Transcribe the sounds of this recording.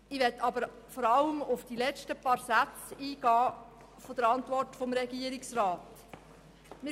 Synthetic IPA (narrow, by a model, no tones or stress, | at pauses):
ɪʋɛtʰːɑbəɾ | fɔɾɑləmʊfd̥ilɛt͡ʃtəpɑːɾsæt͡siːɡ̥ɑː | fod̥əɾɑntvɔrtfɔmɾɛɡiəɾɪksrɑːt | mɪ